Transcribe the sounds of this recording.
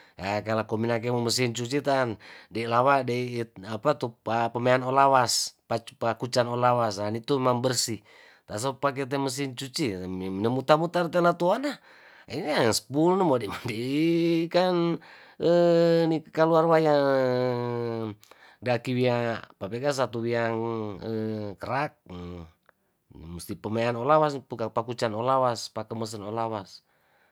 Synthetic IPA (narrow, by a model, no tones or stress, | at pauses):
akalakɔminak̬ɛmoməsint͡ʃut͡ʃit̪andailawadɛiapat̪upapameanɔlawaspapakut͡ʃanɔlawasanit̪umambərsi | t̪as̬opak̬ɛt̪̬ɛməs̬int͡ʃut͡ʃinəmut̪amut̪art̪ɛlat̪uana | inasə̥pulnumɔdɛmadi | kan | ənikaluarwajaə | dakiwiapapɛɡas̬at̪uwiaŋəkəɾak̚ | must̪ipəmajanolawas̬pukapakut͡ʃanolawaspakəməs̬ənolawas